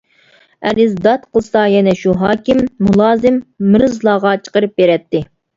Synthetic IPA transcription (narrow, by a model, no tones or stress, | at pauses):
ɛlɪzd̪ɑt̪qʰəlˠsɑjɛnɛʃuɦɑːkʲɪmːulˠɑːzɪmːɨɾɨzlˠɑːʁɑt͡ʃʰə̥qəɾɨp̚beɾɛt̪ːɪ